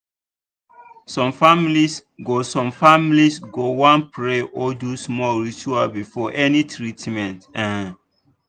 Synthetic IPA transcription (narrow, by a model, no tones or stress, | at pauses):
sɔ̃mfamilisɡosɔ̃mfamilisɡowãnpʰɹeʔɔdusmɔlɹit͡ʃualbifɔʔɛnitʰɹitmɛ̃ntɛ̃